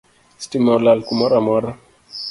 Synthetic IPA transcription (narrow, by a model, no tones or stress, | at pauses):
stimalalkumaɾamɔɾa